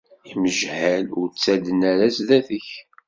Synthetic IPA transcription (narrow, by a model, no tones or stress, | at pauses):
iməʒhælʊɾt͡sːæd̪ənæɾæsðæθəç